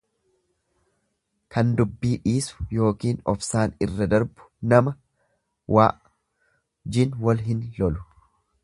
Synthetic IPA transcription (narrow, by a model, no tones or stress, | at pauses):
kɐnd̪ʊbːiːᶑiːsʊ̥jo̞ːkiːnɔfsaːnɪrːɐd̪ɐɾbʊ̥nɐmɐ | waː | d͡ʒɪnwɐlɦɪnlɔlʊ̥